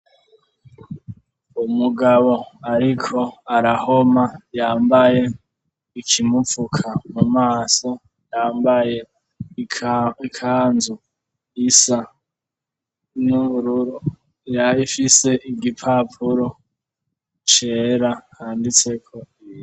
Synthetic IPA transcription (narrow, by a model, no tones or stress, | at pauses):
umuɡaβo̞aɾikʰo̞aɾaho̞majaːmbaje̞ | ikʰimufukʰamumaːso̞ | jaːmbaje | ikʰaːnzu | isa | nuβuɾuɾu | jaifise̞ʔiɡipʰapʰuɾo̞ | t͡ʃeːɾahaːndit͡se̞kʰo̞i